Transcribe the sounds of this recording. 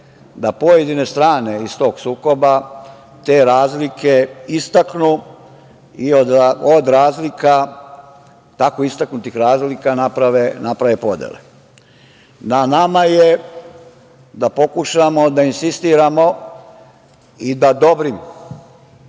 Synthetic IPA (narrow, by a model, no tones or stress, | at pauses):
d̪apo̞jed̪ine̞st̪ɾaːne̞ist̪o̞ːɡsuːko̞ba | t̪e̞ːɾaːzlike̞ist̪aknu | iod̪od̪ɾaːzlika | t̪akoist̪aknut̪ixɾaːzlikanapɾaʋenapɾaʋe̞po̞d̪jḛlḛ | nanamaje | d̪apo̞kuʃamo̞d̪ainsist̪iːɾamo̞ | id̪ad̪o̞bɾimo